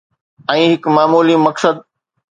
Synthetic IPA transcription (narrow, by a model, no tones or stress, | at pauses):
ɛ̃ːɦɪkmaːmuːlimɐksəd̪̚